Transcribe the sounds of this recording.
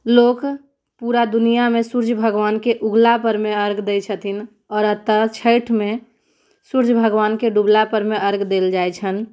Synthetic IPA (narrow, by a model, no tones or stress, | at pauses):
loːk | puɾad̪unijamẽsuɾd͡ʒbʱəɡʋaːnkeʔuɡlapəɾmeəɾɡd̪et͡ʃʰət̪ʰin | ɔːɾət̪ːət͡ʃʰəɪʈʰmẽ | suɾd͡ʒbʱəɡʋaːnkeɖublapəɾmeəɾɡd̪eld͡ʒaet͡ʃʰən